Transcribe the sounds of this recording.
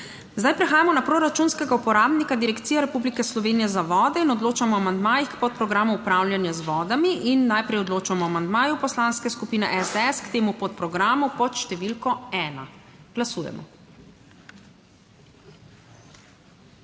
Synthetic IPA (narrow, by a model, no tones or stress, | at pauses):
zd̪ajpɾɛxaːjamɔnapɾoɾat͡ʃuːnskɛɡaupɔɾaːbnikad̪iɾɛkt̪siːjɛɾɛpublikɛslɔʋeːnijɛzaʋɔːd̪ɛinɔd̪loːt͡ʃamɔamand̪maːjixkpɔt̪̚pɾɔɡɾaːmuːpɾawlʲjanjazʋɔːd̪amiʔinːajpɾɛjɔd̪loːt͡ʃamɔamand̪maːjupɔslanskɛskupiːnɛʔɛzd̪ɛɛskt̪eːmupɔt̪̚pɾɔɡɾaːmupɔt̪ʃt̪ɛʋilkɔɛːna̰ɡ̥lasuːjɛ̰mɔ̰